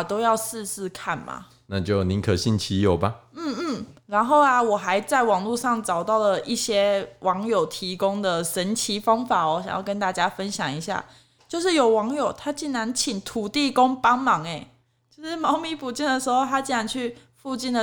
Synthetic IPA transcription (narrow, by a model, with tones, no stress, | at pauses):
t̪o˥ʊjɑ˥˧ʊsɹ̩˥˧sɹ̩˥˧kʰa˥˩nma̰˩ | na˥˧t͡ɕjo˥˩ʊni˨˦ŋkʰə˨˩ɕi˥˩nt͡ɕʰi˧˥jo˨˩ʊba˦n̩˥˩n̩˥˩ɻa˧˥nxo˥˩ʊa˨wɔ˨˩xa˧˥ɪt͡sa˥˩ɪwɑ˨˩ŋlu˥˧ʂɑ˥˩ŋt͡sɑ˨˩ʊt̪ɑ˥˩ʊlə˩ʔi˥˩ɕjɛ˥wʔɑ˧˥ŋjo˨˩ʊt̪ʰi˧˥kʊ˥ŋd̪ə˨ʂə˧˦nt͡ɕʰi˧˥fɑ˥ŋfa˨˩˦ɔ˨˦ɕa̰˨˩ŋjɑ̰˥˩ʊkə˥nt̪a˥˩t͡ɕja˥fə˦nɕjɑ̰˨˩ŋi˧˥ɕja̰˥˩ | t͡ɕjo˥˧ʊʂ̬ɻ̩˥˩jo˨˩ʊwɑ˧˦˥ŋjo˨˩ʊt̪ʰa˥t͡ɕi˥˩nɻa˧˥nt͡ɕʰi˨˩ŋt̪ʰu˨˩t̪i˥˧ko˥ŋpɑ˥ŋmɑ˨˩ŋe˨˩ɪ | t͡ɕjo˥˧ʊʂɻ̩˥˩mɑ˧˥ʊmi˧˥pu˨˩t͡ɕi˥˩nd̪ə˩ʂɻ̩˧˥xo˥˧ʊt̪ʰa˥t͡ɕi˥˧nɻa˧˥nt͡ɕʰy˥˧ | fu˥˧t͡ɕi˥˩ndə˨